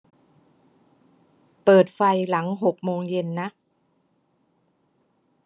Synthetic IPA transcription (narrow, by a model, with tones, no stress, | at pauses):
pɤː˨˩t̪̚fa˧jla˩˦ŋɦo˨˩k̚moː˧ŋje˧nːa˦˥ʔ